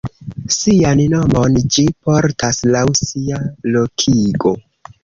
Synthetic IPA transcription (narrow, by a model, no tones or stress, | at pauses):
sianno̞mond͡ʒipoɾtaslawsialo̞kʰiɡo̞